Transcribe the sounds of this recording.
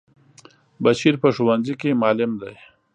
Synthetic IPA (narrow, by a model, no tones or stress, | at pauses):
baʃiɾpəʂuwanzikemɑːlɪmd̪aj